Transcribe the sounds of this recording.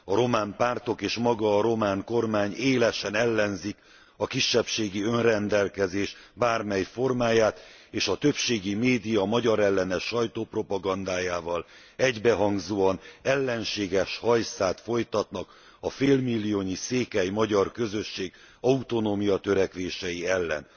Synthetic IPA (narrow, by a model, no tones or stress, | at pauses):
ɒɾo̞maːmpaːrt̪o̞keːʃmɒɡɒːɾo̞maːŋko̞rmaːɲeːlɛʃɛnɛlːɛnzik | ɒkiʃːɛpʃeːɡiø̞nrɛnd̪ɛlkɛzeːʃbaːrmɛjfo̞rmaːjaːt̪eːʃɒt̪øpʃeːɡimeːd̪ijɒmɒɟɒɾɛlːɛnɛʃɒjt̪oːpro̞pɒɡɒnd̪aːjaːvɒl | ɛɟbɛɦɒŋɡzoːɒnɛlːɛnʃeːɡɛʃhɒjsaːt̪fo̞jt̪ɒt̪nɒk | ɒfeːlmilːijoːɲiseːkɛjmɒɟɒrkø̞zø̞ʃːeːɡ | ɒut̪o̞noːmijɒt̪ø̞ɾɛkʋeːʃɛjiɛlːɛ̰n